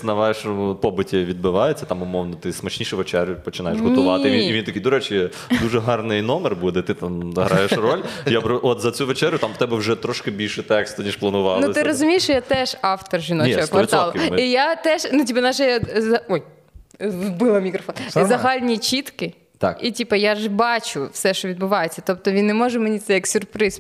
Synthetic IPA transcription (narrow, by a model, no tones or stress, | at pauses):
nɐʋɑjeʃɔmʊpɔbɪtʲiʋʲid̪̚bɪʋɑjet͡sʲːɐt̪ɑmʊmɔʋnɐt̪ɪsmɐt͡ʃnʲiʃɛʋɔt͡ʃɛɾʲʋjʊpɔt͡ʃɪnɑjeʃɦʊt̪ʊʋɑt̪ɪʋʲiiʋint̪ɐkʲijd̪ʊɾɛt͡ʃʲɛ | d̪uʒɛɦɑrnɪjnɔmɛrbud̪ɛt̪ɪt̪amɐɦɾʔɑjeʃrɔlʲjapɾɔʔɔt̪zɐt͡sʲuʋet͡ʃɛɾʲjʊt̪ɑmt̪ɛbɛwʒɛt̪ɾɔʃkɪbʲilʲʃɛt̪ɛkst̪ʊnʲiʃplˠɐnʊʋɑlnuɪt̪ɪɾɔzʊmʲijɪʃt͡ʃɔjat̪ɛʒɑft̪ɔrʒʲinɔt͡ʃɛɔkʋɐɑlˠʊijat̪ɛʃnutʲipɐnaʒɛjazɐɔj | bɪlˠɐmʲikɾɔfɔnszɐɦɑlʲnʲit͡ʃʲit̪kɪ | t̪ɑkitʲipɐjaʒbɑt͡ʃʊfsɛʃt͡ʃɔʋʲid̪̚bʊʋɑjet͡sʲːɐt̪ɔp̚t̪ɔʋʲinːemɔʒɛmenʲit̪sɛjɐksʲʊrpɾɪs